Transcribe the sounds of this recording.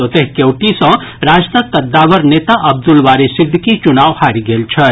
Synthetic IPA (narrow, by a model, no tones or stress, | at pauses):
ot̪eɦkewʈisʌ̃ | ɾad͡zt̪əkkːəd̪ːawəɾnet̪aʔɐb̚d̪ulwaɾesid̪ʱkit͡ʃunawhaɾiɡelt͡ʃʰʌ